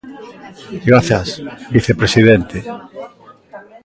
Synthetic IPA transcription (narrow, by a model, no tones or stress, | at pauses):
ɡɾaθjasbiθepɾesiðent̪e